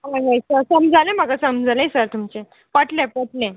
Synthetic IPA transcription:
aɡajsəɾsəmd͡zʱalem̤əɡasəmd͡zʱalẽsəɾt̪umt͡se | pəʈlẽpəʈlɛ̃

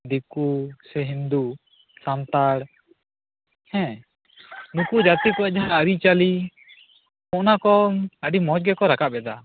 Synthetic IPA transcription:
d̪ikusɛɦind̪u | sant̪aɽ | hɛ̃ | nukud͡ʒat̪ikɔad͡ʒaaːɾit͡ʃali | mɔʔnakɔəɖimɔt͡ʃɡɛkɔɾakaʔbɛd̪a

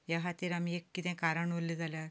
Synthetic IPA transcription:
jaɦat̪iːɾamiekːit̪ɛ̃kaɾəɳʋolːid͡zʱaljaɾ

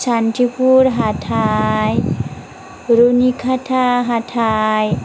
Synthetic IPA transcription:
saɳʈipuɾɦaʈʰaj | ɾunikʰaʈʰaɦaʈʰaj

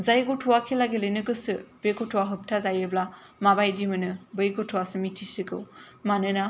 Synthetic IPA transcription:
zajɡotʰuwakʰilaɡilɯjnɯɡɯsɯb̥eɡotʰuwaɦɯp̚tʰazajɯbla | mabajdimɯnɯbɯjɡotʰuwasɯmitʰisikɯ̰w | manɯna

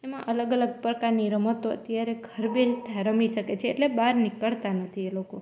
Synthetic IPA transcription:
emãʔələɡələɡ̚pɾəkaɾniɾəmət̪oə̰t̪jaɾeɡʱəɾbed͡ʒt̪ʰaɾəmiʃəket͡ʃʰeːʈlebaɾnɪkəɭt̪anət̪ʰieloko

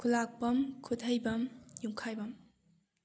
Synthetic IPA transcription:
kʰulak̚bɐmkʰudʱɐjbɐmjumkʰajbɐm

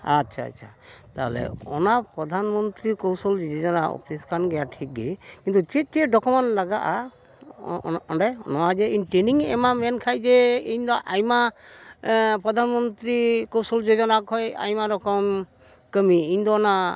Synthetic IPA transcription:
atːt͡ʃʰa̰ːtːt͡ʃʰat̪aɦḛlḛɔ̰napɾɔd̪ʱanmɔnt̪ɾikɔwsɔld͡ʒd͡ʒod͡ʒɔnaɔ̰piskanɡɛjaʈʰik̚ɡekint̪ut͡ʃet͡ʃeɖɔkɔmɔnlaɡaʔa | ɔɖajnɔwad͡ʒeiɲʈɾeniŋɛ̰mamɛnkʰajd͡ʒeiɲd̪ɔʔajma | pɾɔd̪ʱanmɔnt̪ɾikɔwsɔld͡ʒod͡ʒɔnakɔja̰jmaɾɔkɔm | kəmiiɲd̪ɔːna

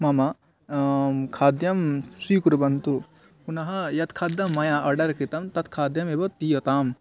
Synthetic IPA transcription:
mɐmɐ | kʰaːd̪jɐmsukuɾbɐnt̪u | punɐɦɐjɐt̪kʰaːd̪ɐmːɐjaʔɐɾɖɐɾkɾit̪ɐmt̪ɐt̪kʰaːd̪jɐmebɐt̪ijɐt̪aːm

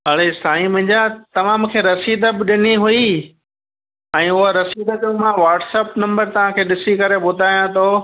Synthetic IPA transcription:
ɦɐɭesaːĩmɐ̃ɦɪ̃ɲd͡ʑat̪ɐmaːmkʰeːɾɐsiːd̪ʱəbɪɗɪniɦʊi | ɛ̃ːʊɦoɾɐsiːd̪əkũmãʋaːʈsəpnɐ̃mbəɾt̪ɐʋ̤ãkʰeːɗɪsikɐɾeɓʊd̪ʱaːjãt̪ʰoː

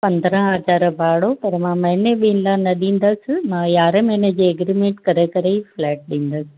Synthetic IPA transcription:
pɐ̃nd̪ɾə̃ɦɐzaːɾbʱaːɽopɐɾmãːmɐ̃ɦneɓiːnlanɐɗĩːn̆d̪əsmãjaːɾemẽːned͡ʑeːɐɡɾimẽɳʈkɐɾekɐɾeflɛːʈ̚ɗĩːn̆d̪əsɪ̥̆

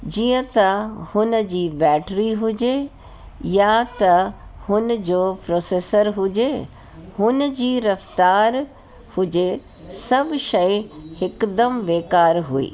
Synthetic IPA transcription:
d͡ʑiːə̃t̪ɐhʊnd͡ʑiːbɛːʈɾiɦʊd͡ʑe | jat̪ɐhʊnd͡ʑoːpɾoːseːsəɾɦʊd͡ʑe | hʊnd͡ʑiːɾɐft̪aːɾ | hʊd͡ʑe | sɐbʃɐihɪkd̪əmʋeːkaːɾɦuḭː

